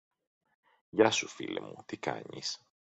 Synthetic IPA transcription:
ʝɐsufilimut̪ikɐ̰ɲis

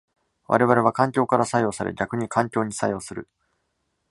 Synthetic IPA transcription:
βʔa̰ɾe̞β̞aɾe̞βakãŋkʲo̞ːkaɾasajo̞ːsaɾḛɡʲakɯ̟ɲ̟ikãŋkʲo̞ːɲ̟isajo̞ːsɨɾɯ̟̰

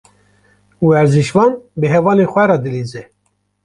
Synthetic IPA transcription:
uwɛɾziʃvɑːnbɨɦɛvɑːneːxʷɛɾɑːd̪ɨliːzɛ

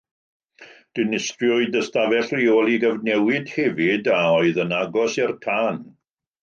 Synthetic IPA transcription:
d̥ɪnɪstrjɔɨdəstavɛɬriolˠiɡəvnɛwɪd̥hɛvɪdaɔɨðənaɡɔsɛrtʰaːn

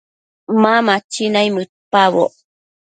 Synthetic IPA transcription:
mamat͡ʃinajmɨt̪̚paβo̰

